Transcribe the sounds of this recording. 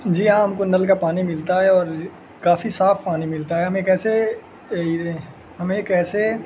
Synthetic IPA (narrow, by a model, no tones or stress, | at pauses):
d͡ʒiːɦãɦɐmkonəlk̬apaːnimɪlt̪aɦɛɔːɾ | kaːfisaːfʰpaːnimɪlt̪aɦɛɦɐmeːkɛːse | ie | ɦɐmeːkɛːse